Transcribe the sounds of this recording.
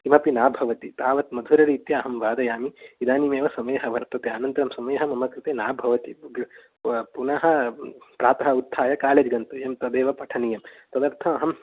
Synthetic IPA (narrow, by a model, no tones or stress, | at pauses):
kimɐpinaːbʱɐʋɐt̪it̪aːʋɐt̪mɐd̪ʱuɾɐɾiːt̪jɐɐɦɐmʋaːd̪ɐjaːmiid̪aːnimeːʋɐsɐmeːɦɐʋɐɾt̪ɐt̪eaːnɐnt̪ɐɾɐmsɐmeːɐɦɐmɐmɐkɾit̪eːnaːbʱɐʋɐt̪iɡ | punɐɦɐ̆pɾaːt̪ɐɦɐud̪ʱːaːjɐkaːleːd͡ʒɡɐnt̪ɐjɐmt̪ɐd̪eːʋɐpɐʈʰɐnijɐmt̪ɐd̪ɐɾt̪ʰɐɐɦɐm